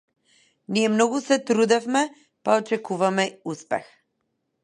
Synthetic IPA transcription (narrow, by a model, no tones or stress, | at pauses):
niɛmnɔɡusɛt̪ɾud̪ɛfmɛ | paɔt͡ʃɛkuvamɛuspɛ̰x